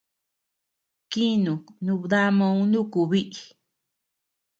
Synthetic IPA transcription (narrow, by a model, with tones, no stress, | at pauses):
ki˦nũ˨nũ˧ða˦mã˧ũ˧nũ˦ku˧βi˦ʔi˨